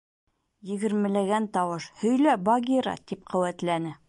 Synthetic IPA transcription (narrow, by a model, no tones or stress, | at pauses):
jɘ̆ɡɘ̆ɾmɘ̆læɡænt̪ɒwɤʃhɵ̆jlæbɑɡʲiɾɑ̰t̪ip̚qʰɵ̆wæt̪lænɘ